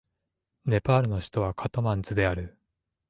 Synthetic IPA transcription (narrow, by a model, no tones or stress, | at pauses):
ne̞paːɾɯ̟no̞ɕi̥t̪o̞β̞akʰat̪omãnt͡sɨd̪e̞aɾɯ̟